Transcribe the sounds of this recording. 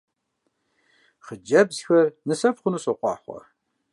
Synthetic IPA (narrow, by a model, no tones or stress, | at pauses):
χəd͡ʒɐbzxɐrnɨsɐpχʷʊnusɐqʷɑ̰ːħʷɐ̰r